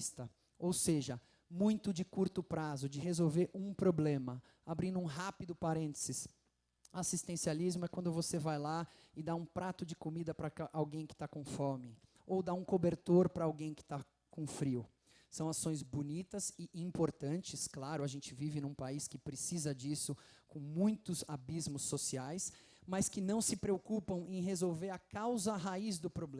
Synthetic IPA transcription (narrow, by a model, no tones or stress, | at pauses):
st̪ɐ | owseʒɐ | mũj̃t̪ʊd͡ʒɪkuɾt̪ʊpɾazʊd͡ʒɪɦezowveɾʔũpɾoblẽmɐ | abɾĩnd̪ũɦapid̪ʊpaɾẽnt̪ɪz̥ɪs | asist̪ẽsializmʊɛkwɐ̃nd̪ʊvosevajla | ɪd̪aũpɾat̪ʊd͡ʒɪkomid̪ɐpɾɐʔawɡẽj̃kɪ̥t̪akõfɔɾmɪ | owd̪aũkobeɾt̪oɾpɾɐawɡẽj̃kɪ̥t̪a | kõfɾiw | sɐ̃w̃asõj̃zbonit̪ɐzɪĩmpoɾt̪ɐ̃nt͡ʃɪsklaɾʊaʒẽnt͡ʃɪvivɪnũpaiskɪpɾesizɐd͡ʒisʊkõw̃mũj̃t̪ʊzabizmʊsːosiajs | mɐskɪnɐ̃w̃sɪpɾeokupɐ̃w̃ẽj̃ɦezowveɾɐkawzɐɦaizd̪ʊpɾoblẽ